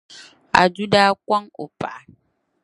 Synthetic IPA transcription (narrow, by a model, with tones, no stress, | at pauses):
a̰˨d͡ʒu˦daː˦kʷa˦ŋo̰˨pa̰˨